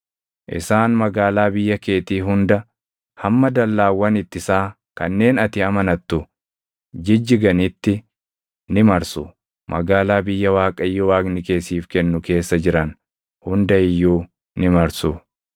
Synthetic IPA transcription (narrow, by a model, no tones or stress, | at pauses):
ʔɪ̰saːnmɐɡaːlaːbɪjːɐke̞ːt̪iːɦʊnd̪ɐ | hɐmːɐd̪ɐlːaːwːɐnɪt̪ːɪsaː | kɐnːe̞ːnɐt̪ɪɐmɐnɐt̪ːʊ | d͡ʒɪd͡ʒːɪɡɐnɪt̪ːɪ | nɪmɐɾsʊ | mʔɐ̰ɡaːlaːbɪjːɐwaːkʼɐjːɔwaːɡnɪke̞ːsiːfkɛnːʊke̞ːsːɐd͡ʒɪɾɐn | hʊnd̪ɐɪjːuː | nɪmɐɾsʊ